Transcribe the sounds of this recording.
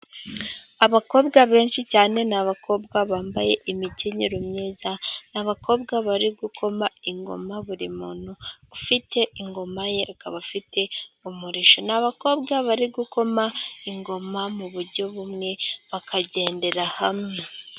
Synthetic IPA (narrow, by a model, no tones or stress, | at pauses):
aβako̞ːbɡaβe̞ːnʃicaːne̞naβakʰo̞ːbɡaβaːmbaje̞ʔimiciɲiɾumɲiːzanaβakʰo̞ːbɡaβaɾiɡukʰo̞maiŋɡo̞̰maβuɾimuːn̥uːfitʰe̞iŋɡo̞majeakaβafite̞umuɾiʃonaβako̞ːbɡaβaɾiɡuko̞maiŋɡo̞mamuβuɾɟo̞βumŋe̞βakʰaɟe̞ːnde̞ɾahamŋe